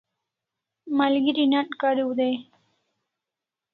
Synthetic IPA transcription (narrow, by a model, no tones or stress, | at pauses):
malɡiɾinaʈkaɾiwud̪e